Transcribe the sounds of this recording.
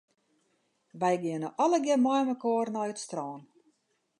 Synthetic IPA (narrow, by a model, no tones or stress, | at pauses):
ʋɛjɡɪənəʔɔləɡjɛmɔjməkoərnɔjətstrɔːn